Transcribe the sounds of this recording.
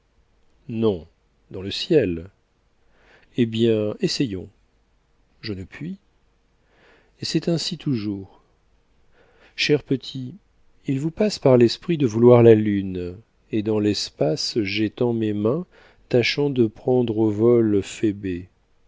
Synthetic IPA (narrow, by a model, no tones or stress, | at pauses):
nɔ̃ | d̪ɑ̃ləsjɛl | ebjɛ̃esɛjɔ̃ | ʒənəpɥi | esɛt̪ɛ̃sit̪ʰuʒuːʁ | ʃɛʁpət̪ʰi | ilvupaspaʁlɛspχid̪əvulwaʁlalyn | ed̪ɑ̃lɛspasʒet̪ɑ̃memɛ̃ | t̪aʃɑ̃d̪əpχɑ̃d̪ʁovɔlfebe